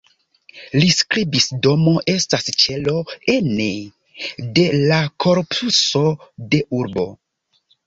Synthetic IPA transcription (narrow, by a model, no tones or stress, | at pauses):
liskɾibisdo̞mo̞ʔe̞stast͡ʃe̞lo̞ene | de̞lakʰo̞ɾpʰuso̞de̞ʔuɾbo̞̰